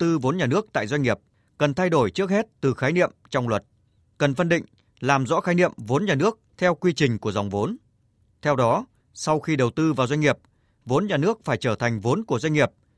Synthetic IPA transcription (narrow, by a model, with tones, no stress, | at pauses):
t̪ɨ˧vo˨˦nɲaː˨˩nɨ˦˥ək̚t̪a̰ː˧˨jzwjŋ̟ŋi˨˩əp̚ | kə˨˩nt̪ʰa˧jɗo˧˩jt͡ɕɨ˦˥ək̚he˦˥t̚t̪ɨ˨˩xaː˨˦jnḭ˧˨əmt͡ɕɔ˧wŋ͡mlwə˨˩t̚ | kə˨˩nfə˧nɗḭ̈˧˨ŋ̟ | laː˨˩mzɔ̰˧˥xaː˨˦jnḭ˧˨əmvo˨˦nɲaː˨˩nɨ˦˥ək̚t̪ʰɛ˧wkwi˧t͡ɕï˨˩ŋ̟ku˧˩əza˨˩wŋ͡mvo˨˦n | t̪ʰɛ˧wɗɔ˨˦ | sa˧wxi˧ɗə˨˩wt̪ɨ˧vaː˨˩wzwa˧ŋ̟ŋi˨˩əp̚ | vo˨˦nɲaː˨˩nɨ˦˥ək̚faː˧˩jt͡ɕəː˧˩t̪ʰa˨˩ŋ̟vo˨˦nku˧˩əzwa˧ŋŋi˨˩əp̚